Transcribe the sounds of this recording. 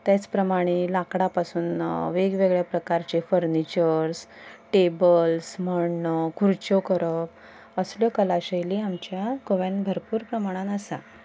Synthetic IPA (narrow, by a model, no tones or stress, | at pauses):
t̪jat͡spɾəmaɽ̃elãkɽapasuːnʋeɡʋeɡɭjapɾəkaɾt͡ɕefəɾnit͡ɕəɾsʈebəlsməɳɳəkuɾt͡ɕokəɾəp | əsljɔkəlaɕəjliamt͡ɕjakoʋenbʱəɾpuːɾpɾəmaɽ̃ãnəsa̰